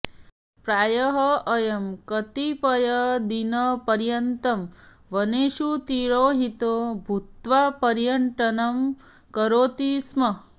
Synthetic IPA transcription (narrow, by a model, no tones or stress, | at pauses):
pɾaːjɐɦɐʔɐjɐmkɐt̪ipɐjɐd̪inɐpɐɾjɐnt̪ɐm | ʋɐneːʃut̪iːɾoːɦit̪oːbʱut̪ʋapɐɾjɐɳʈɐnɐm | kɐɾoːt̪iːsmɐ